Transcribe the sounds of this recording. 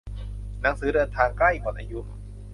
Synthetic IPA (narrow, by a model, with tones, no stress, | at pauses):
na˨˦ŋsɯː˨˦dɤː˧nt̪ʰaː˧ŋkla˥˩jkʰɔː˨˩˦nʔa̰˧ju˧˥